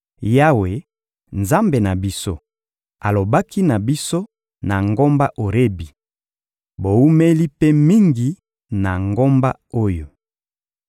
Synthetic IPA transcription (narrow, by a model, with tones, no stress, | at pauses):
ja˦we˨ | nza˦mbe˨na˨bi˦so̰˦ | a˨lo˨ba˦ki˦na˨bi˦so˦ | na˨ŋɡo˦mba˦ʔo˨ʁe˦bi˨ | bo˨wu˦me˦li˦pe˦mi˦ŋɡi˨ | na˨ŋɡo˦mba˦o˦jo˨